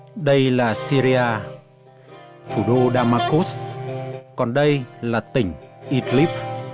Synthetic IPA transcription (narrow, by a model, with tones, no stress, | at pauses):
ɗə˧jlaː˨˩si˧ɾi˧aː˧ | t̪ʰu˧˩ɗo˧ɗaː˧maː˧ku˦˥s | kɔ˨˩nɗə˧jlaː˨˩t̪ï˨˩ŋ̟ʔi˧t̪li˦˥p̚